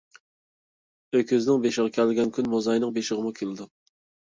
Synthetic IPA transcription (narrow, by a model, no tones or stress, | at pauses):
økʰʲøznɪŋbeʃɪʁɑkʲʰælɪɡʲɛnkʲʰynmozɑjnɨŋbeʃɪʁəmukʲʰelˠd̪ɪ